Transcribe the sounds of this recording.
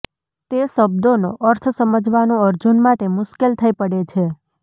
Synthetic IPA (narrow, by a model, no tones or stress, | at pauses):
t̪esəb̚d̪onoʔəɾt̪ʰəsəməd͡ʒʱʋanũəɾd͡ʒunmaʈemʊʃkelt̪ʰəipəɽet͡ʃʰe